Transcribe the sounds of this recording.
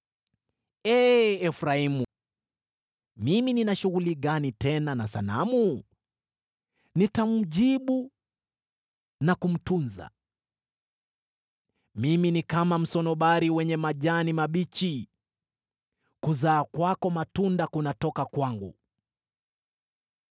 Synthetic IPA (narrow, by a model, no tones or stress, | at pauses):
ɛːɛfɾaimu | mimininaʃuɣuliɠanitɛnanasa̰na̰mu | nitam̩ʄiɓu | nakum̩tunza̰ | miminikamam̩sɔnɔɓaɾiwɛɲɛmaʄanimaɓit͡ʃi | kuzaːkwakɔmatundakunatɔkakwaŋɡṵ